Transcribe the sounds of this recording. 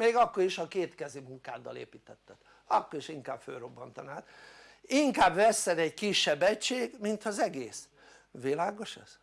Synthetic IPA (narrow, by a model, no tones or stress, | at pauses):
meːɡɒkːo̞ɾiʃɒkeːt̪kɛzimuŋkaːd̪ɒ̰lḛːpiːt̪ɛt̪ːɛt̪ | ɒkːo̞ɾiʃiŋkaːbfø̰lro̞bːɒnt̪ɒnaːt̪ | iŋkaːbvɛsːɛd̪ɛɟkiʃːɛbːɛct͡ʃeːɡmint̪hɒzɛɡeːs | ʋilaːɡo̞ʃɛ̰z̥